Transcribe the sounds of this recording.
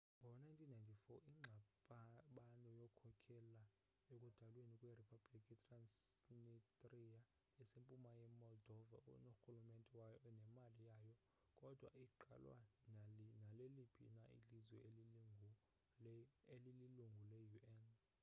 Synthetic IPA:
ŋɡʱɔwnajntʰinːajntʰʼifɔʔiŋ͡ǁʱaɓɓanɔjɔkʰɔkʰɛla | ekʼud̥ʱalwenikʼweripʰablikʰʼitʰʼransnitʼrija | ɛsempʼumajɛmɔldɔva̰unoxulumɛntʼɛwajɔnɛmalijajɔ | kʼɔd̥ʱwa̰iǃa̰lwa̰ | nalelipʰḭnaḭlizwɛeliu | lililuŋɡʱulɛjuʔɛn

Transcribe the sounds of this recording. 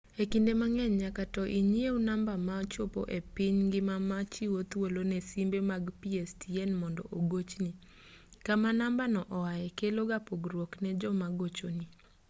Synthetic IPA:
ekindemaŋɛɲɲakatɔʔiɲieunambamat͡ʃʊpo̰ʔepɪɲɡɪmamat͡ʃiwot̪wolonɛsimbemaɡpiestʰienmɔndɔ̰ʔoɡot͡ʃni | kamanambanɔʔɔwaɛkeloɡapoɡɾwoknɛd͡ʒɔmaɡot͡ʃoni

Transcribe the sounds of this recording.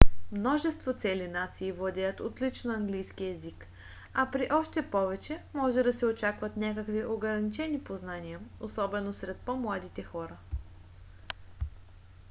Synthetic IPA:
mnɔʒɛst̪vot̪sɛlinat̪siːvlˠɐd̪ʲɛjət̪ot̪lit͡ʃnoɐŋɡlijskiɛzik | ɐpɾiʔɔʃt̪ɛpɔvɛt͡ʃɛmɔʒɛd̪ɐsɛot͡ʃakvɐt̪nʲakəkviʔoɡɾɐnit͡ʃɛnipoznaniəosɔbɛnosɾɛt̪̚pɔmlˠad̪it̪ɛxɔɾə

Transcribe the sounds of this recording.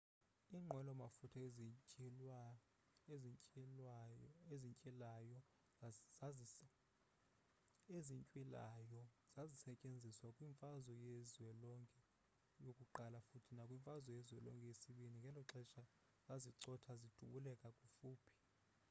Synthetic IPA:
iːŋ͡ǃʱwɛlɔmafutʰɔ | eziɲt͡ʃʼilajɔ | eziɲt͡ʃʼwilajɔ | z̥azisɛcʼend͡zʱiswakʼwiɱfazɔjezwɛlɔŋkʼɛ | jokʼuǃalafutʰinakʼwiɱfazwɔjɛzwɛlɔ̰ŋkʼɛjesiɓiniŋɡʱɛlɔǁɛʃʼa | zaziǀɔtʰazid̥ʱuɓulɛkʼakʼufuːpʰi̥

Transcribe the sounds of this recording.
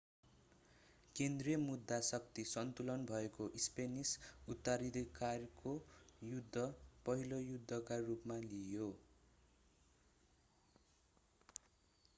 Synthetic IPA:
kend̪rijʌmud̪ʱːasʌkt̪isʌnt̪ulʌnbʱʌekoʔispenisut̪ːaɾid̪ʌkarkojud̪ʱːʌpʌɦilojud̪ʱːʌkarupmalijo

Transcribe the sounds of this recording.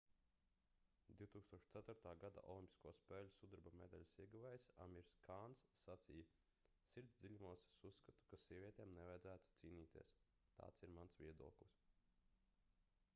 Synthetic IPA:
d̪̥ʲiwt̪uːkst̪uɔʃt̪sæt̪uɾt̪aːɡad̪a̰ʔɔ̰lˠimʲpʲi̥skuɔspɛːlʲusud̪uɾbamed̪alʲsiɛɡuvajsa̰mʲiɾskʰaːnsːat̪sijə | sʲiɾd̪zʲd̪ilʲumuɔssusːkat̪u̥kasiɛvʲiɛt̪ɛːmnɛvajd̪zæːt̪u̥t̪siːnʲiːt̪iɛs | t̪a̰ːt̪siɾmansvʲiɛd̪ṵɔklˠis

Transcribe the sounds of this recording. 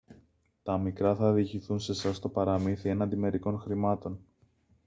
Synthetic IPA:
t̪ɐmikɾɐθɐðiçiθunse̞sɐst̪o̞pɐɾɐmiθie̞nɐnd̪ime̞ɾiko̞nxɾimɐt̪o̞n

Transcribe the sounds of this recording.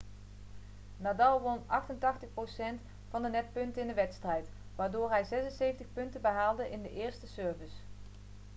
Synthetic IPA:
naːdɑlˠʋɔnɑχtəntɑχtəχprosɛnt | fɑndənɛt̚pɵntəɪndəʋɛtstrɛjt | ʋaːɹdʊːɹɦɛjzɛsənsejfəntəχpɵntəbəɦaːlˠdəʔɪndəʔɪːɹstəsøːɹvəs

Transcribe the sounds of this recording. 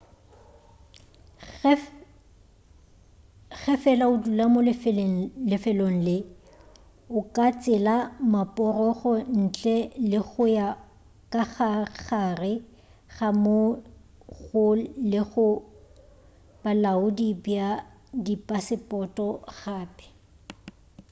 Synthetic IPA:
ɣɛfɛlaʊdulamol | lɪfɛloŋ̩lɪ | ʊkʼat͡sʼɪlamapʼɔrɔɣɔn̩t͡ɬʼɛlɪɣʊja | kʼaɣaχarɪ | ɣamo | ɣʊlɪɣʊ | b̥alaʊdibja | dipʼasɪpʼɔtʼɔɣaːpʼɛ̥

